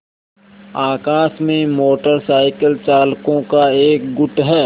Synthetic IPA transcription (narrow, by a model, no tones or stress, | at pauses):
aːkaːsmẽmoːʈəɾsaːɪkəlt͡ʃaːlkõkaeːk̚ɡʊʈɦɛː